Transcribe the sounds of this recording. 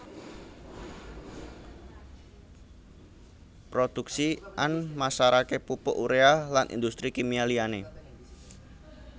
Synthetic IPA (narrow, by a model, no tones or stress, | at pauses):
pɾod̪̥uksiʔanmasaɾakepupʊ̰ʔuɾealanʔḭnd̪ust̪ɾikimialiane